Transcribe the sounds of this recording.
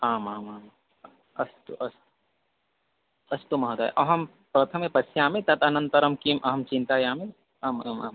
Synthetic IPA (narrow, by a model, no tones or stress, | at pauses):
aːmaːmaːm | ɐst̪uʔɐs | ɐst̪umɐɦd̪a̰j̰ʔɐɦɐm | pɾɐt̪ʰɐmepɐsjaːmet̪ɐt̪ɐnɐ̃nt̪ɐɾɐmkimʔɐɦɐmt͡ʃĩnt̪aːjaːme | aːmamaːm